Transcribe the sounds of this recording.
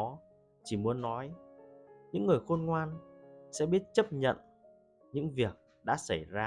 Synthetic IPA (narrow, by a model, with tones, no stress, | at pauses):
ɔ˨˦ | t͡ɕi˧˩mu˨˦ənːɔ˨˦j | ɲɨ̰˧˥ŋːɨ˨˩əjxo˧nŋwaː˧nsɛ̰˧˥ɓi˦˥ət̚t͡ɕə˦˥p̚ɲə̰˧˨n | ɲɨ̰˧˥ŋvi˨˩ək̚ | ɗa̰ː˧˥sa˧˩jzaː˧